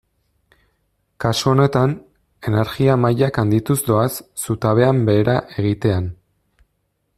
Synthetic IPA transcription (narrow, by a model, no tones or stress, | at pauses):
kasuo̞ne̞t̪an | e̞ne̞ɾɣiamajakand̪it̪uzd̪o̞asːut̪aβ̞e̞ambe̞ːɾaʔe̞ɣ̞it̪e̞an